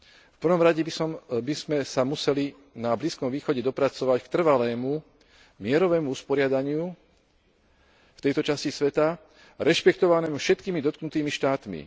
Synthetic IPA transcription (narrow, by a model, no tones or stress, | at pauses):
fpr̩ʋɔmɾaɟɛbisɔmbizmɛsamusɛli | nabliːskɔmʋiːxɔɟɛd̪ɔpɾat͡sɔʋackt̪r̩ʋalɛːmu | mɪɛɾɔʋɛːmuuspɔɾɪad̪aɲɪu | ft̪ɛjt̪ɔt͡ʃascisʋɛt̪a | ɾɛʃpɛkt̪ɔʋanɛːmufʃɛt̪kiːmid̪ɔt̪̚knut̪iːmiʃt̪aːt̪mḭ